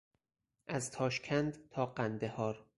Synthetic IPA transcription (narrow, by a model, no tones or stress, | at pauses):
ʔæzt̪ʰɒːʃcʲʰænd̪t̪ʰɒːɢænd̪ehɒːɾ